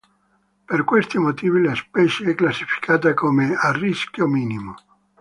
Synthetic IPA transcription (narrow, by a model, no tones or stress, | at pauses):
perkwest̪imot̪iːvilaspɛt͡ʃeɛkːlasːi̥fi̥kʰaːt̪akomearːiskjomiːnimo